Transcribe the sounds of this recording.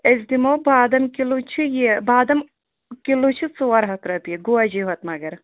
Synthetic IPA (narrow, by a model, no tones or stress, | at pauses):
ezd̪imobaːd̪ɐmkilut͡ʃʰijebaːd̪ɐm | kilut͡ʃʰit͡suɐɾɦɐt̪ɾɐt̪jeɡuɐd͡ʒiɦɐt̪mɐɡɐɾ